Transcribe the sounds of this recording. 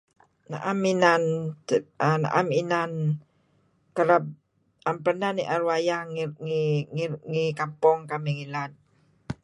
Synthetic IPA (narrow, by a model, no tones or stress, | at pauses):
na̰ʔaminan | ana̰ʔaminan | kəɾab̚ | ampənaniʔaɾuajaŋiŋŋikampɔŋkamiŋilan̚